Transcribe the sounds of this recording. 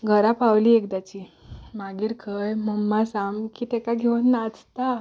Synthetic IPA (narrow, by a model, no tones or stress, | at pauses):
ɡʱəɾapawliekd̪at͡ɕimaɡiːɾkʰəjməmːasamkit̪ɛkaɡʱewnːat͡st̪a